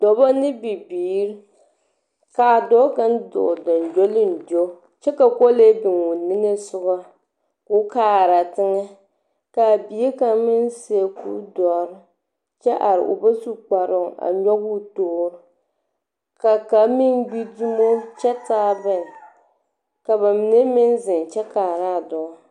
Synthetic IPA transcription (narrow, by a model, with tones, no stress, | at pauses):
dɔ˨bɔ˦nɨ˦bi˨biː˨˦ɾɪ˦ | ka˨dɔ˦ɡa˦ndo̰˨dɔ˨nd͡ʒo˦lɪ˦n˨do˦ | t͡ʃɛ˦ka˨ko˦le˦bɪ˨ŋwu˨nɨ˦ŋɨ˦sʊ˦ɡa˦ | ku˦kaː˦˨ɾa˨tɪ˦ŋɛ˦ | ka˨bi˨i˦ka˨mɪ˦n˦se˨˦e˨kṵː˦dɔ˨ɾɪ˦ | t͡ʃɛ˦ʔa˨ɾɪ̰˨ʔʊ̰˨ba˦su˦k͡pa˨ɾʊ˦a̰˨ɲɔ˦ɡu˦toː˦ɾʊ˦ | ka˨ka˨mɪ˦nɡ͡bi˦du˦mo˦t͡ʃɛ˦taː˦bɨ˨n˨ | ka˨ba˨mɪ˨ne˦mɪ˦nzɪ˨n˨t͡ʃɛ˦kaː˨ɾa˦˨dɔ˨˦